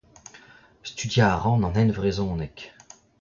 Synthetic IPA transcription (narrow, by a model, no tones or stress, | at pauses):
st̪yd̪jaːʁɑ̃nɑ̃nɛnvʁezɔ̃ːnɛk